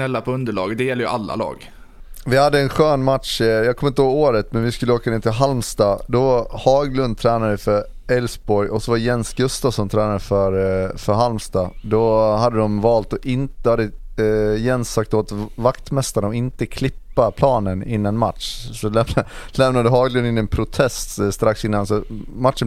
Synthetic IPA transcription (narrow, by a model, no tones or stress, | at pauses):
ɛlːapʰɔɵnd̪əɭɑ̰ːɡd̪ɛjɛlːəjɵʔalːa̰lɑ̰ːɡ | vɪhad̪ːəɛnɧøːnmat̪ʂjɑːkʰɔmːɪnt̪əhoːɡoːɾət̪mɛnvɪskʉlːəoːkaneːt̪ʰɪlɦalmst̪ɑːd̪ɔhɑːɡlɵnd̪̚t̪ʰɾɛːnad̪əfœɾ | ɛlsbɔɾjɔsɔvajɛnsɡɵst̪ɑvsɔmt̪ʰɾɛːnad̪əfœɾfœɾɦalmst̪ɑːd̪ɔhad̪ːəd̪ɔmvɑːlt̪ɔʔɪnt̪had̪ːə | jɛnsːak̚t̪oːt̪vakt̪mɛst̪aɳɔɪnt̪əkʰlɪpːapʰlɑːnənɪnːanma̰t̪ʂsɔlɛmalɛmnad̪əɦɑːɡlɵnɪnːɛnpʰɾʊt̪ʰɛst̪st̪ɾaksɪnːansɔmat̪ʂən